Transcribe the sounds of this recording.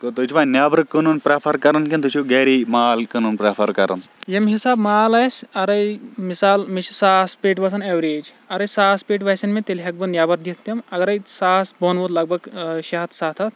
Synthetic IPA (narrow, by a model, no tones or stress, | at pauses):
k̪ot̪ut͡ʃʰʋanjaːbɐɾkənunpɾaːpʰɐɾkɐɾɐnkʲint̪ut͡ʃʰuɡeːɾimaːlkɐnunpɾapʰɐɾkɐɾɐ̰njɐmɦisaːbmaːlɐjsʲɐɾɐjmisaːlmiʃsaːspeːʈʋɐs̬ɐnɐʋɾeːd͡ʒ | ɐɾɐjsaːspeːʈ̬ʋɐsɐnmẽt̪elɦɐk̚bɨnjaːbɐɾd̪it̪t̪ːɐmɐɡɐɾɐjsaːsbonʋud̪lɐɡ̚bɐɡʃɐɦɐt̪ʰsaːt̪ʰɐt̪